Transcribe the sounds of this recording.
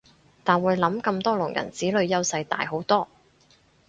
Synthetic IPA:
t̪aː˨nwuː˨˧jlɐ˨˥mkɐ˧mt̪ɔː˥lʊ˨˩ŋjɐ̰˨˩nt͡siː˨˥lɵ˨˧ɥjɐ˥wsɐ˧jt̪a̰ː˨jɦo˨˥wt̪ɔː˥

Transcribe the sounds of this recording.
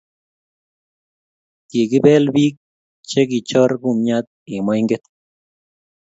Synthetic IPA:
t̪e˨ɡi˦bɛ˦lbi˦k̚ | t͡ʃe˦ɡi˨t͡ʃɔ˦ɾɡu˦˨mɲa˦t̪̚i˨ma˦jŋɡe˦t̪

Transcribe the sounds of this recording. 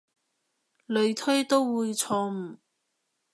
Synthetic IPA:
lɵ˨˧ɥt̪ʰɵ˥ɥt̪o˥wwuː˨˧jt͡sʰɔː˧m̩˨˩

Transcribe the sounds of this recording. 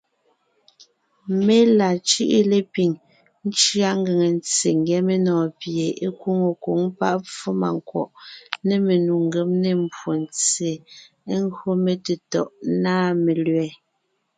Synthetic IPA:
me˦la˨t͡ʃi˦ʔi˦le˦˨pi˨ŋ | n̩˦t͡ʃɰa˦ŋ̩˦ɡe˨ŋe˨n˦t͡se˨ŋɡɛ˨˦me˦nɔː˨pje˨e˦kwo˦ŋo˨ko˨˦ŋpa̰˦ʔp͡fo˦ma̰˨ŋ˨kwɔ̰˨ʔne˦˨me˨nu˨ŋ˦ɡe˨˦mne˦m̩˨bwo˨nt͡se˨ | e˦ŋ˦ɡo˦me˨te˨tɔ˨ʔnaː˦me˨lɥɛː˨˦

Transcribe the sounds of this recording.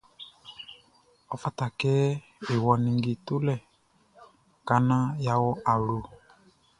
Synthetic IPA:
ɔ˨fa˦ta˨kɛ˦ | i˨wɔ˨ni˨ŋɡi˨tu˦lɛ˦˨ | ka˨˦na˦ja˦wɔ˦ʔa˨lu˦˨

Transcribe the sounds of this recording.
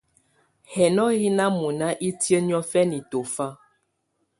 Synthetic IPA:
hɛ˨nɔ˦ɣi˦na˦mu˨na˦ʔi˦tjə˦n˦ɔ˦fɛ˦ni˨to˨fa˦

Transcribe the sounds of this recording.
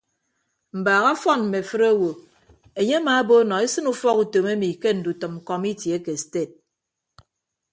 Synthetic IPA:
m̩˨baː˨ɣa˦fɔ˦nm̩˨me˨fɨ˦ɾa˦wo˨ | e˨ɲe˦a˦maː˨˦bo˦nɔ˨i˦sɨ˦nu˦fɔ˦ku˨to˨me˦mi˨ke˦n̩˨du˨tɨ˨m̩˨kɔ˦mi˦tje˨˦ke˨ste˦˨t̚

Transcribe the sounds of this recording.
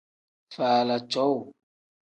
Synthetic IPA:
faː˨la˨t͡ʃɔ˦w

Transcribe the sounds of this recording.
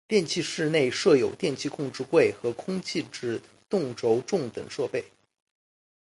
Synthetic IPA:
t̪jɛ˥˧nt͡ɕʰi˥˧ʂɻ̩˥˧ne˥˧ɪʂɤ˥˩jo˨˩ʊt̪jɛ˥˧nt͡ɕʰi˥˧kʰʊ˥˧ŋʈ͡ʂɻ̩˥˧kwe˥˩ɪxɤ˧˥kʰʊ˥ŋt͡ɕʰi˥˧ʈ͡ʂɻ̩˥˧ | t̪ʊ˥˩ŋʈ͡ʂo˧˥ʊʈ͡ʂʊ˥˩ŋt̪ɤ̰˨˩ŋʂɤ˥˧pe˥˩ɪ

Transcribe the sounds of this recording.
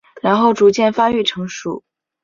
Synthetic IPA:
ɻa˧˥nxo˥˩ʊʈ͡ʂu˧˥t͡ɕjɛ˥˩nfa˥y˥˩ʈ͡ʂʰɤ˧˥ŋʂṵ˥˨˩

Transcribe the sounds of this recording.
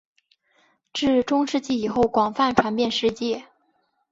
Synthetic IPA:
ʈ͡ʂɻ̩˥˩ʈ͡ʂʊ˥ŋʂɻ̩˥˧t͡ɕi˥˩i˨˩xo˥˩ʊkwɑ˨˩ŋfa˥˩nʈ͡ʂʰwa˧˥npjɛ˥˧nʂɻ̩˥˧t͡ɕjɛ˥˩

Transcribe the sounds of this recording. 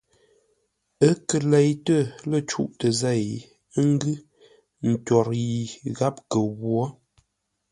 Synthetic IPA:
ə˦kə˨lɛ˨jtə˦˨lə˦˨t͡ʃṵ˦ʔtə˨zɛ˦˨j | ə˦ŋ˦ɡʉ˦ | n̩˨tɔ˨ɾji˨ɣa˦p̚kə˨ɣwɔ˦

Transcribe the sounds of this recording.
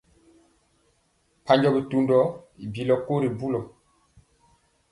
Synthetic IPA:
pa˦ɲd͡ʒɔ˦bi˨tu˨ndɔ˦i˨bi˨lɔ˨ko˦ɾi˨bu˦lɔ˨

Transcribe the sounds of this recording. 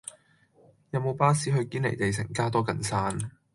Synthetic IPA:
jɐ˨˧wmo˨˧wpaː˥siː˨˥ɦɵ˧ɥkiː˥nlḛ˨˩jt̪e˨jsɪ̰˨˩ŋkaː˥t̪ɔː˥kɐ˨nsaː˥n

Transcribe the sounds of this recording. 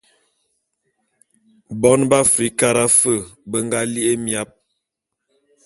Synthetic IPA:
bɔ˦nba˦fɾi˨˦ka˦ɾa˦fə˦˨bə˦ŋɡa˦li˦ʔe˦mja˦p̚

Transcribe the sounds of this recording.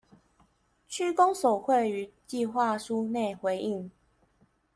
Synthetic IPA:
t͡ɕʰy˥kɔ˦ŋso˨˩xwe˥˨ɪy˨˩˦t͡ɕi˥˧xwa˥˨ʂu˦ne˥˩ɪxwe˨˥ɪʔi˥˨ŋ

